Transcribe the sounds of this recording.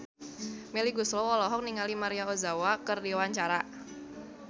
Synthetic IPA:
miliɡuslowɔlɔɦɔk̚niŋalimaɾiaozawakərdiwaɲt͡ʃaɾa

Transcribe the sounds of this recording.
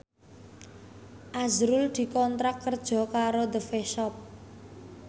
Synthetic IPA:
ʔazɾʊld̪̥i̤kɔnt̪ɾakːərd̥ʒ̥ɔ̤kaɾod̪əfeʃɔp̚

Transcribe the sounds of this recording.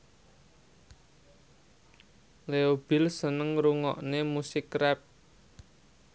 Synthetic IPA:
leob̥ɪ̤lsənəŋɾuŋɔ̰ʔnemusɪkrɛp̚

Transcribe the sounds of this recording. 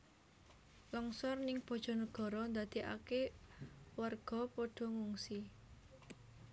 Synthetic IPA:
lɔŋsɔrnɪŋb̥ɔ̤d̥ʒ̥ɔ̤nəɡ̥ɔ̤ɾɔnd̪ad̪̥i̤ʔa̰ke | warɡ̥ɔ̤poɖ̥ɔ̤ŋuŋsi

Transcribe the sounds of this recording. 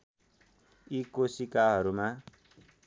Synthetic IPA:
ikosikaɦʌɾuma

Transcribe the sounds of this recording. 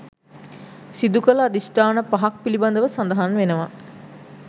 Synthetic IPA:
sid̪ukələːd̪isʈaːnəpaɦak̚piliband̪əʋəsand̪əɦanʋenəʋa

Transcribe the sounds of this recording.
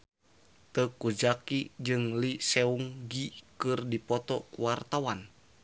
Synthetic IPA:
t̪əkud͡ʒakid͡ʒɨŋlisɛuŋɡikɨrdipɔt̪ɔkuwart̪awan

